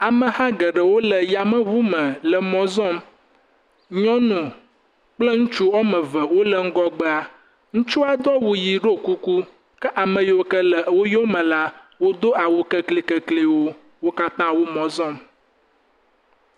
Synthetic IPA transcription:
a˨mə̃˨hã˦ɡə˨ɖə˨wo˦lə˨ja˨mə̃˦vu˦mə̃˨lə˨mɔ̃˨zɔ̃˦m | ɲɔ̃˦nũ˨ | k͡plə˦ŋũ˦t͡ʃu˦wɔ˦mə̃˨və˨wo˦lə˦ŋ̩˦ɡɔ˦ɡ͡bə˦a˨ | ŋũ˦t͡ʃu˦a˦d̪ɔ˦wu˨ji˨ɖo˦ku˦ku˦ | kə˦ʔa˨mə̃˨je˨wo˨kə˦lə˨wo˦jo˦mə̃˨la˦ | wo˦d̪o˦a˨wo˨kə˦kli˦kə˨kli˨wo˦ | wo˦ka˦t̪ã˦wo˦mɔ̃˨zɔ̃˦˨m

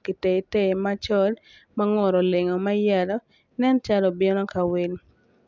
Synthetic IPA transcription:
ki˨te˨˦te˦˨ma˦t͡ʃɔ˦l | maŋɔ˨ɾɔ˨le˨ŋɔ˨ma˦ja˨lɔ˦ | nɛ˦nt͡ʃa˦lɔ˨bɪ˦nɔ˦ka˨we˨l

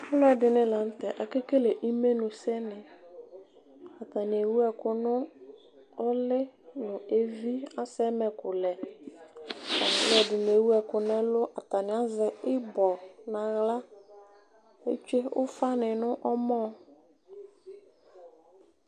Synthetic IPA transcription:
a˨fʊ˦lʊ˦ɛ˨dɪ˨nɪ̃˦la˨n̩˦tɛ˨ʔa˨ke˦ke˦le˨ʔi˦me˦nʊ̃˨sɛ˦nɪ˨ | a˨ta˨nɪ˨e˨wu˦ɛ˨kʊ˨nʊ˦ | ɔ˦lɪ˦nʊ˨e˦vi˦a˦sɛ˦mɛ˨kʊ˨lɛ˨ | a̰˨fʊ˦lɛ˨dɪ˨n˨e˨wu˦ɛ˨kʊ˨nɪ̃˦lʊ˦ʔa˨ta˨nɪ˨a˦zɪ˨ɪ˦bɔ˨na˨ɣla˦ | ḛ˦t͡ʃe˦ʊ̰˦fa˦nɪ˨nʊ˦ʔɔ˦mɔ̃˦˨

